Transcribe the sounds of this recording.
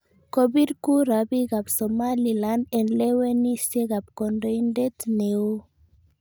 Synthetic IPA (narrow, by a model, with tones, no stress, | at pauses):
ko˦bi˦dku˦ɾa˨bi˦ɡa˨psɔ˨ma˦li˨la˦ndɛ˨nlɛ˦we˦ni˦sje˦ɡa˨p̚kɔ˨ndɔ˨indɛ˦tne˨o˦